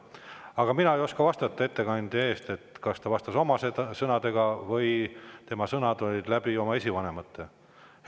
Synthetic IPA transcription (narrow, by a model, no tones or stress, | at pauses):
ɑɡ̥ɑminɑejo̞skɑvɑst̪ɑt̪ːˑɑe̞t̪ːe̞kɑnʲd̪̥ee̞ːst̪e̞t̪kɑst̪ɑvɑst̪ɑso̞mɑsed̪ɑsɤnɑd̪e̞ɡ̥ɑvɤjt̪e̞mɑsɤnɑd̪o̞lʲid̪læbio̞mɑe̞sʲivɑnemɑt̪ːe